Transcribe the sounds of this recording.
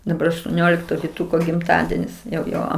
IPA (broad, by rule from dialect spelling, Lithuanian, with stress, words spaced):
dɐˈbɐr ɐʃtuɔˈnʲoːlʲɪktoː ʋʲɪˈtʊkoː ɡʲɪmˈtɑːdʲiɛnʲɪs jɛʊ ˈjoː